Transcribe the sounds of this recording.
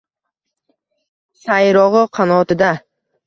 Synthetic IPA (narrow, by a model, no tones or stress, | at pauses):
sajɾɔʁʊqʰɑnɔːt̪ɪd̪a